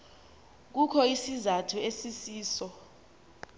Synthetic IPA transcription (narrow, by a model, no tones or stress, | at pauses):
k̬ukʰɔisizatʰuesisiːsɔ